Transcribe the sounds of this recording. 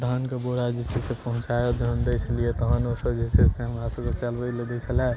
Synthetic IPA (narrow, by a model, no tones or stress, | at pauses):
d̪ʱəɦənkeboɾad͡ʒesesepəɦũt͡ʃajod͡ʒəɦənd̪ət͡ʃʰəlijet̪əɦənosəbd͡ʒeseseɦəmɾasəkət͡ʃəlbəjled̪ɛt͡ʃʰəlɛ